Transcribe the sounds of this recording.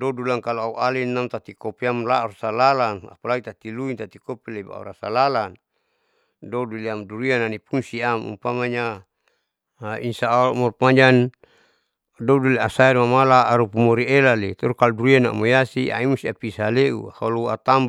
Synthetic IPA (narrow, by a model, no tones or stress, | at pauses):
dɔdulaŋkaloauʔalinːamt̪at̪ikopiamla̰ɾasalalana̰palait̪at̪iluint̪at̪ikopileba̰ṵɾa̰salalan | doduliamduɾiananipunsiamṵmpamaɲa | insaːmɔrpmaɲan | dɔduliasaeɾmamalaːɾupumoɾielalit̪ɔɾukaluduɾiana̰mojasiʔa̰imusiapisaleʔṵhaluat̪amb